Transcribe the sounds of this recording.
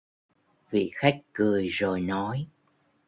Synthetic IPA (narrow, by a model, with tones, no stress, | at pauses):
vḭ˧˨xa˦˥jk̟̚kɨ˨˩əjzo˨˩jnɔ˨˦j